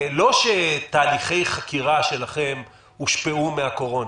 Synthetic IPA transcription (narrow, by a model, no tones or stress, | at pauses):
lo̞ʃet̪aːliχe̞jχakiʁaʃe̞laχe̞m | huʃpeumeako̞ʁo̞na